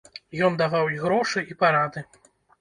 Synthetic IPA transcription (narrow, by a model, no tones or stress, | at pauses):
jɔnd̪avawiɣɾɔʂɨipaɾad̪ɨ